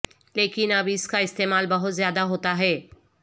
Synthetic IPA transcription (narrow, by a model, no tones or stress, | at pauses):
leːkɪnɐbʱɪskaɪst̪eːmaːlbɐɦʊt̪zjaːd̪aɦoːt̪aɦɛː